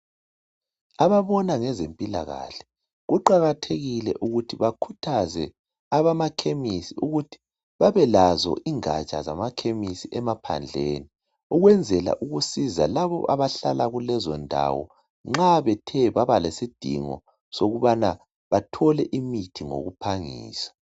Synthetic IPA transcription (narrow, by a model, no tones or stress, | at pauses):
aβaβɔnaŋɛzempʼila̰ɣa̰ɬɛ̥ | ɣuǃaɣatʰeɣilɛ̰ʔuɣutʰiβakʰutʰazɛ | aβamakʰemisiuɣutʰi̥ | βaβɛlazɔ̰ʔiŋa̰t͡ʃʼa̰za̰makʰemisiʔɛmapʰa̰nd͡ɮʱeːni | uɣwɛnd͡zʱɛla̰ʔuɣusiza̰laβɔ̰ʔaβaɬalaɣulɛzɔndʱa̰wɔ̰ | ŋ͡ǁaβɛtʰɛβaβalesid̥ʱḭŋɔ̰ | soɣuβana | βatʰɔlɛʔimitʰiŋo̰ɣupʰaŋḭːsḁ